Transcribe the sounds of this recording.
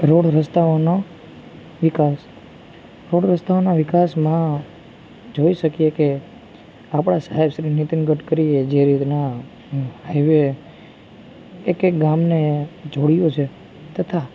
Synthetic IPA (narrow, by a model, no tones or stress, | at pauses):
ɾoɽɾəst̪aono | ʋɪkas | ɾoɽɾəst̪aonaʋɪkasmã | d͡ʒoiʃəkijeke | apɽ̃asaɦebʃɾinit̪inɡəʈkəɾied͡ʒeɾit̪na | ɦajʋe | kek̚ɡamned͡ʒoɽijot͡ʃʰe | t̪ət̪ʰa